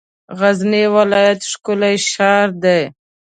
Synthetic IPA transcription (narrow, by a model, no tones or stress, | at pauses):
ɣaznewɪlɑjat̪ʂkʊlajʃɑɾd̪aj